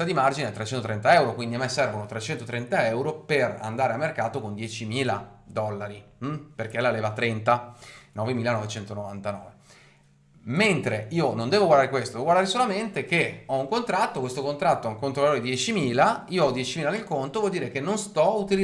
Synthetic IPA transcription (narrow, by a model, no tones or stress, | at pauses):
ad̪imard͡ʒineɛt̪ːɾet͡ʃɛnt̪ot̪ɾɛnt̪aɛwɾokwind̪iamːesɛrvonot̪ɾet͡ʃɛnt̪ot̪ɾɛnt̪aɛwɾopera̰nd̪aːɾeamːerkaːt̪okond̪jɛt͡ʃimiːlad̪ɔlːaɾim̩perkelaleːvat̪ːɾɛnt̪anɔːvemiːlanɔvet͡ʃɛnt̪onovant̪anɔ̰ːve | ment̪ɾeiːonond̪ɛːvoɡward̪aɾekwest̪od̪eɛoɡwaɾdaːɾesolament̪ekeɔuŋkont̪ɾat̪ːokwest̪okont̪ɾat̪ːoɛŋkont̪ɾovaloɾed̪jɛt͡ʃimiːlaiːoɔd̪jɛt͡ʃimiːlanelkont̪ovwɔld̪iːɾekenːonst̪ɔut̪il